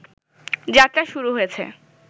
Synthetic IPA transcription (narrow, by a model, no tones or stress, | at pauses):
d͡ʑat̪ːɾaʃuɾuɦojet͡ɕʰḛ